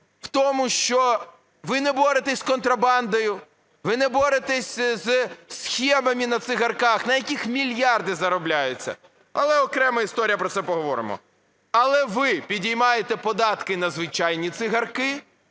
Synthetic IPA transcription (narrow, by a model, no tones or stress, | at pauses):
w̥t̪ɔmʊʃt͡ʃɔ | ʋɪnɛbɔɾɪt̪ɛsʲkɔnt̪ɾɐbɑnd̪ɔjʊ | ʋɪnɛbɔɾɪt̪ɛsʲzsxʲɛmɐmʲɪnɐt̪sɪɣɐrkɑxnɐjɐkʲixmʲilʲjɑrd̪ɪzɐɾɔblʲajʊt͡sʲːɐ̰ | ɐ̰lˠɛɔkɾɛmɐist̪ɔɾʲijɐpɾɔt̪sɛpɔɦɔʋɔɾɪ̰mɔ̰ | ɐlˠɛʋɪpʲidʲijmɑjet̪ɛpɔd̪ɑt̪kɪnɐzʋɪt͡ʃajnʲit̪sɪɦɐrkɪ